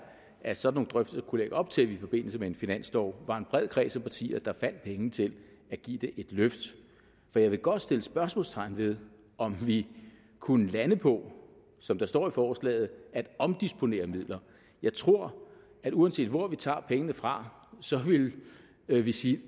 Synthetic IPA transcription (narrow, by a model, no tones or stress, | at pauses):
æsɒ̽d̥no̝ːŋ̩d̥ʁœfd̥əskʰuleɡ̥ɒ̽b̥̚t͡sʰe̝lʋifɒ̽b̥e̝n̰l̩səmee̝nfinæn̰sd̥ɒʊ̰ʋɑ̈e̝nb̥ʁɛð̞̰ˠkʰʁɛ̰ːsɒmpʰɑ̈t͡sʰḭːɐd̥ɑ̈fæn̰d̥̚pʰeŋənət͡sʰe̝l | æɡ̥ḭːd̥e̝ʔe̝d̥løfd̥ | fɒ̽jɑ̈ɪʋe̝ɡ̥ɒ̽d̥sd̥e̝ləsb̥ɶɐsmɔ̽lst͡sʰɑ̈ɪ̰n̩ʋe̝ð̞ˠ | ʔɒ̽mʋi | kʰunəlænəpʰɒ̽ | sɒ̽md̥ɑ̈sd̥ɒ̰ːifɒːslɛ̰ːð̞̩ˠæd̥ɒ̽md̥isb̥o̝ne̝̰ːɐmið̰ˠlɐ | jɑ̈ɪt͡sʰʁo̝ɐ̰ | æɾuænse̝̰ːdʋɒʋit͡sʰɑ̰̈ːpʰeŋənəfʁɑ̈ | sɒ̽ʋe̝l | ʋisiː